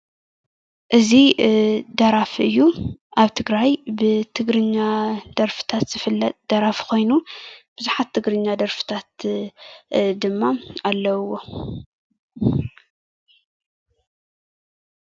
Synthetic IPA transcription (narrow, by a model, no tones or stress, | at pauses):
ʔɨzi | d̪ɐɾafʔɨjːuʔaβt̪ʰɨɡɾajbɨt̪ʰɨɡɾɨɲːad̪̥ɐɾfɨ̥t̪ʰat̪z̥ɨfɨlːɐt̪̚ʼd̪̥ɐɾafkʰo̞jnub̥ɨzuħat̪ʰːɨɡɾɨɲːad̪ɐɾfɨ̥t̪ʰat̪ | d̪ɨmːaalːɐwo̞